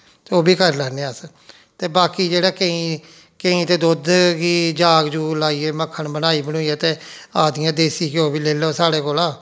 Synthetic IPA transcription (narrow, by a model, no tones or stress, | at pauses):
t̪oːbiːkəɾlɛːneːəs | t̪eːbaːkiːd͡ʒeːɽaːkəĩː | kəĩːt̪eːd̪oːd̪ɡiːd͡ʒaːɡd͡ʒuːlaːiːeːməkʰːəɳbənaːiːbənũːiːeːt̪eːaːd̪ɪjãːd̪eːsiːkɪoːbiːleːloːsaːɽeːkoːlaː